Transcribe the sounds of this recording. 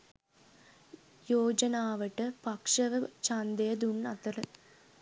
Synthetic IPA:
joːd͡ʒɐnaːʋɐʈːɨpɐkʂɐʋɐt͡ʃɐnd̪ejɐd̪uɳːɐt̪ɐɾɨ

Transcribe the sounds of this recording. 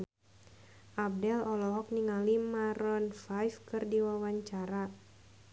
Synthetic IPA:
ʔab̚dɛlɔlɔɦɔk̚niŋalimaɾɔnfajfkɨrdiwawaɲt͡ʃaɾa

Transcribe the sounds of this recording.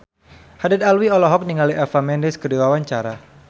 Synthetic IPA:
hadad̪alwiɔlɔɦɔk̚niŋaliʔɛfamɛndɛskədiwawaɲt͡ʃaɾa

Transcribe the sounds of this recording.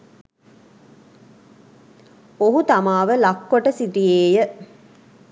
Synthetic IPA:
oɦut̪amaːʋəlakːoʈəsit̪ijeːjə

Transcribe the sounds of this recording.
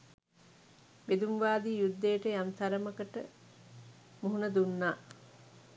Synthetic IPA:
ʋed̪umʋaːd̪iːjud̪ːejʈəjamt̪ʰɐɾəməkəʈə | muɦunɐd̪unːaː

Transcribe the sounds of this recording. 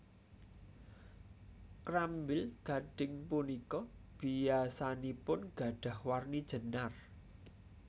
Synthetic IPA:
kɾambɪlɡ̥a̤ɖ̥ɪ̤ŋpunikɔb̥ijasanipʊnɡ̥a̤ɖ̥a̤hwarnid̥ʒ̥ə̤nar

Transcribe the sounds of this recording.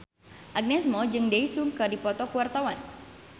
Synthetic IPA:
ʔaɡ̚nɛsmɔd͡ʒɨŋdɛisuŋkədipɔt̪ɔkuwart̪awan

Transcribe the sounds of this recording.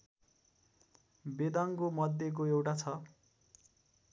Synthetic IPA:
bed̪aŋkomʌd̪ʱːjek̬oewʈat͡sʰʌ

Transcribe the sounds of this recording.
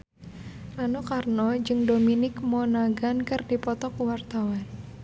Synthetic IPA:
ʔanokarnɔd͡ʒɨŋdominɪkmɔnaɡankɨrdipɔt̪ɔkuwart̪awan

